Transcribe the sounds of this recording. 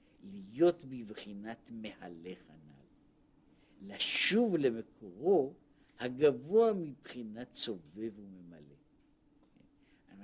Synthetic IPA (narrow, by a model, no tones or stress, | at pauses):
lijo̞t̪bivχinatmehale̞χana̰lː | aʃuvle̞me̞kʰo̞ʁo̞ | haɡavoamibχinatso̞ve̞vume̞male̞̰ | a